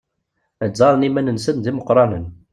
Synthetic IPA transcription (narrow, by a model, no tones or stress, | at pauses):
əzˤɑɾˤnimænənsənd̪iməqɾˤɑnən